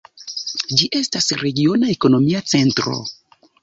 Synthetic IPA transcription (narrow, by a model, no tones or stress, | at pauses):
d͡ʒiʔe̞stasɾe̞ɡio̞naeko̞no̞miat͡se̞ntɾo̰